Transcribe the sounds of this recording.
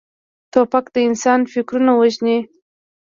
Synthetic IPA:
t̪opakd̪əɪnsɑnfɪkɾunawəʒni

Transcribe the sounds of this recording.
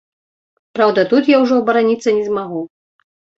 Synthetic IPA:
pɾawd̪ɐt̪ut̪jawʐɔbɐɾanʲit̪sːɐnʲɛzmaɣu

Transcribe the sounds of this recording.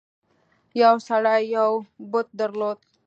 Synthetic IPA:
jawsaɽajːawbʊt̪̚d̪əɾloːd̪̚

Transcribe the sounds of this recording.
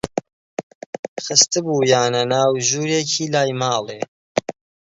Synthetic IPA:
xɨst̪ɨbuːjaːnɐnaːwʒuːɾeːcʰiːlaːjmɑːleː

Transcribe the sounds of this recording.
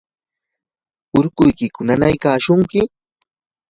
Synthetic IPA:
ʊɾkʊjkɪkʊnanajkaːʃʊŋkɪ

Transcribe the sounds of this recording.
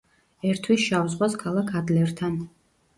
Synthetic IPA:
ɛɾt̪ʰwisʃavzʁwaskʰalˠakʰad̪lɛɾt̪ʰan

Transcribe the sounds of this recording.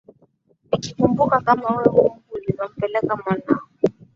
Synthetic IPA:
ikikumbukakamawɛwum̩kulizam̩pɛlɛkamanawɔ

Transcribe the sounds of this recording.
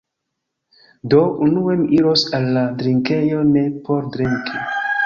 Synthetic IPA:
do̞ʔunuemiiɾosalːadɾiŋke̞jo̞ne̞pʰoɾdɾiŋkʰi

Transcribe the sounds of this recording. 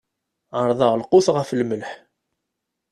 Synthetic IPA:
ʕəɾˤðˤɑʁlqʊθʁəflməlħ

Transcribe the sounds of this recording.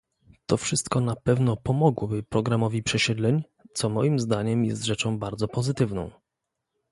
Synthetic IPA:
t̪ɔfʂɘst̪kɔnapɛvnɔpɔmɔɡwɔbɘpɾɔɡɾamɔvʲipʂɛɕɛd̪lɛɲ | t̪sɔmɔjimzd̪aɲɛmjɛ̰st̪ʐɛt͡ʂɔ̃w̃baɾd̪zɔpɔzɘt̪ɘvnɔ̰̃w̃

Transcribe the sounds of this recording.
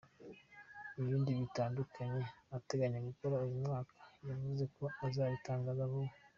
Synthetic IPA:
iβiːndiβitaːndukʰaɲe̞ate̞ɡaɲeɡuko̞ɾauwumŋaːkʰḁjavuze̞ko̞azaːβitaːŋɡazaβo

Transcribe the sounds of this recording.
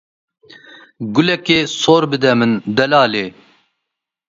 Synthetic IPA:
ɡʊlɛkeːsoːɾbɨd̪ɛmɨnd̪ɛlaːleː

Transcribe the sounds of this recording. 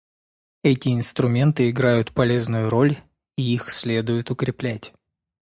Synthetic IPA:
ɛtʲɪɪnst̪ɾʊmʲe̞nt̪ɨɪɡɾajʊt̪pɐlʲe̞znʊjʊɾo̞lʲ | iixsʲlʲe̞d̪ʊjʊt̪ʊkɾʲɪplʲætʲ

